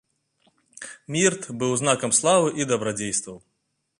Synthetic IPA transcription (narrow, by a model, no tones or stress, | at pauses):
mʲirt̪bɨwznakɐmslˠavɨʔid̪ɐbɾad͡zʲejst̪vɐw